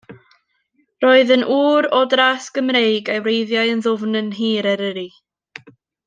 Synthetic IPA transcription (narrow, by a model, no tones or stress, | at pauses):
roːɨðənʔuːɾɔdrasɡ̥əmrejɡawɾejðjaɨənðʊvnənɦiːɾəɾəɾi